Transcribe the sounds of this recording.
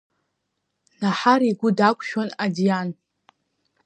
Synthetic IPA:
naħaɾiɡʷʊdakʷʰʼʃᶣonadijan

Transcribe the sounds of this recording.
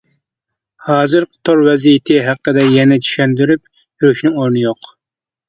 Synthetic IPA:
hɑːzɨɾqt̪ʰoɾwɛzijɪt̪ʰɪɦæqːəd̪ɛjɛnɛt̪ʰy̥ʃɛnd̪yɾyp̚ | jɾyʃnɪŋoɾnɨjoq

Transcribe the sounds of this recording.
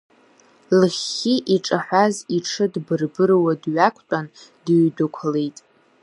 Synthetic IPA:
lχiʔiʈ͡ʂʼaħʷaziʈ͡ʂʰɨdbɨrbɨrwadɥakʷʰtʷʼandiɥdɨkʷʰalejtʼ

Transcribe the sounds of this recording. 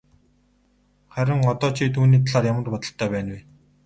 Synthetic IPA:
χæɾʲɪ̆ŋɔt̪ɔːt͡ɕʰiːt̪ʰuːniːt̪ʰaɮaːrjamə̆rpɔt̪ɞ̆ɬt̪ʰœːpæːnwe

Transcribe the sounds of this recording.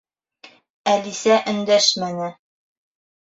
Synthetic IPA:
ælisæʔɵ̆nd̪æʃmænɘ

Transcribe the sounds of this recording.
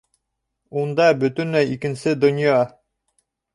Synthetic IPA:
und̪ɑbɵ̆t̪ɵ̆næjikɘ̆nsɘd̪ŏnʲjɑ

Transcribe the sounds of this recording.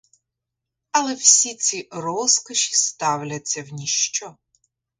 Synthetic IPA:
ɐlˠɛwsʲit͡sʲirɔskɐʃʲi̥st̪awlʲɐt͡sʲːɐwnʲiʃt͡ʃɔ

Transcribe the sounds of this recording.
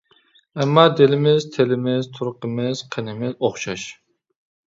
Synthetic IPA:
ɛmːɑːd̪ɪlɪmɪz̥t̪ʰelɪmɪz̥t̪ʰuɾqəmɪz̥qʰənɪmɪzoχʃɑʃ

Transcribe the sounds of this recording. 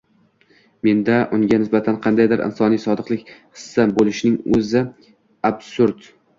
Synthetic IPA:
me̞nd̪aʔʊŋɡʲanɪsbat̪ʰanqʰɑnd̪ajd̪ɪɾɪ̰nsɒnijsɒd̪ɨqlˠɪkʲhɨ̥sːabolɪʃnɪŋɵzɪ | absʊɾd̪

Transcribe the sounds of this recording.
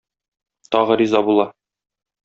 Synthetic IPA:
t̪ɒʁɤɾizɑbulˠɑ

